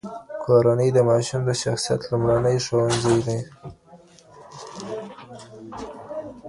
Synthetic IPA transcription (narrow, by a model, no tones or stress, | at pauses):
kʰoɾanəjd̪əmɑʃumd̪əʃaxsijat̪lumɽanəjʂowanzajd̪aj